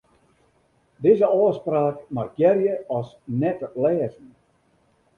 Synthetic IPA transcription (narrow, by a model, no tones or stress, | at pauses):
dɪzəɔːspraːkmarjɛrjəɔs | nɛtlɛːzən̩